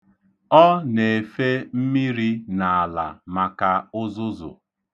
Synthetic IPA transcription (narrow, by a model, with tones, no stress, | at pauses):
ɔ˦ne˨fe˦m̩˦mi˦ɾi˦na˨a˨la̰˨ma˨ka˨ʊ˦zʊ˦zʊ̰˨